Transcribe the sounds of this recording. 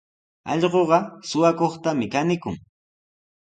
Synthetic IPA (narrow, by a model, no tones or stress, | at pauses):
ɑ̰ʎɢoɢɑsʊwakoχt̪amɪkanɪkʊ̰ŋ